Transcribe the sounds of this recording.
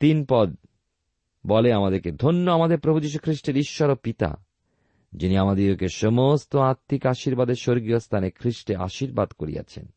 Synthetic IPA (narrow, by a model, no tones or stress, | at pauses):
t̪inpɔd̪̚ | bɔleamad̪eɾked̪ʱonːoamad̪eɾpɾobʱud͡ʑiʃ̬ukʰɾiʃʈeɾiʃːɔɾopit̪a̰ | d͡ʑiniamad̪eɾokeʃomost̪oaɾt̪ʰːikaʃiɾbad̪eɾʃoɾɡijost̪ʰanekʰɾiʃʈeʔa̰ʃiɾbad̪koɾḭja̰t͡ɕʰḛn